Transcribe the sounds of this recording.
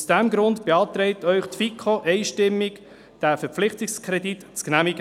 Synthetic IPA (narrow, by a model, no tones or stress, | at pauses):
usd̥æmɡɾʊndb̥eɑːt̪ɾɛɪtœʏχtfikʰoʔɛɪʃtɪmːik | d̥æfəɾplɪχtɪkskʰɾɛditt͡sknæmiɡə